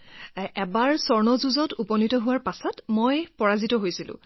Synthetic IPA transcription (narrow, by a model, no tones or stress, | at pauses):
ɛbaɹsɔɹnɔzuzɔtupɔnitɔɦuwaɹpasɔtmojpɔɹazitɔɦojsilʊ̰̃